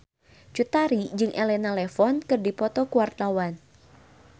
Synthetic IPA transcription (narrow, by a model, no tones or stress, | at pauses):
t͡ʃut̪aɾid͡ʒɨŋʔɛlɛnalɛfɔnkɨrdipɔt̪ɔkuwart̪awan